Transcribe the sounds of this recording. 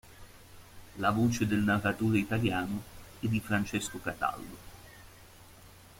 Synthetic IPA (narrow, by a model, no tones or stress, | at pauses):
lavoːt͡ʃed̪elnarːat̪uːɾeit̪aljaːnoɛd̪ːifɾant͡ʃeskokat̪a̰ld̪o